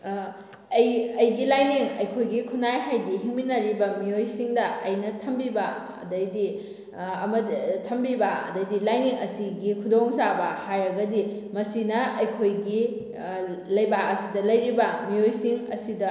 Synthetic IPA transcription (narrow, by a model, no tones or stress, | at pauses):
ɐjɐjɡilajniŋɐjkʰojɡikʰunajɦajdihiŋminɐɾibɐmijojsiŋdɐɐjnɐtʰɐmbibɐ | ɐ̰dɐjdi | ɐmɐtʰɐmbibɐɐ̰dɐjdilajniŋɐsiɡikʰudoŋzabɐhajɾɐɡɐdi | mɐsinɐɐjkʰojɡi | lɐjbaɐsidɐlɐjɾibɐmijojsiŋɐ̰sidɐ